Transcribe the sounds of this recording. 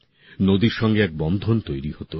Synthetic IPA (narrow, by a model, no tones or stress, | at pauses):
nod̪iɾʃɔŋɡeɛk̚bɔnd̪ʱont̪ojɾihot̪o